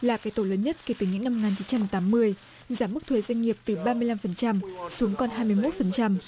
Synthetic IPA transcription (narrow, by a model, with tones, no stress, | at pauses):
laː˨˩kaː˨˦jt̪o˧˩ləː˨˦nɲə˦˥t̚ke˧˩t̪ɨ˨˩ɲɨ̰˧˥ŋna˧mo˨˩ŋaː˨˩nt͡ɕi˨˦nt͡ɕa˧mt̪aː˨˦mːɨ˧əj | zaː˨˩˦mɨ˦˥k̚t̪ʰwe˨˦zwa˧jŋ̟ŋi˨˩əp̚t̪ɨ˨˩ɓaː˧mɨ˧əjla˧mfə˨˩nt͡ɕa˧msu˨˦əŋkɔ˧nɦaː˧jmɨ˧əjmo˦˥t̚fə˨˩nt͡ɕa˧m